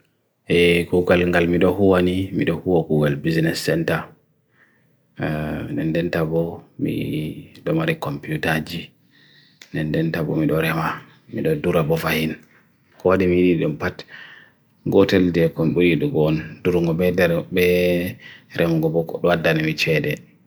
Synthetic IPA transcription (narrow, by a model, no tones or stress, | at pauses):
ʔɛkuɡalŋɡalmiɗɔhuwanimḭɗɔhuwakuɡalbiznɛsːɛnta | ndɛndɛntabɔmḭɗɔmaɾikɔmpiutad͡ʒi | ndɛndɛntabɔ̰miɗɔɾɛma | miɗɔduɾabɔfahin | kɔwaɗimijiɗiɗɔmpat | ɡɔtɛldɛkɔnɗɔjiɗuɡɔnduɾŋɡɔbɛdɛɾbɛ | ɾɛmɡɔbɔkɗɔwadːanimit͡ʃɛɗɛ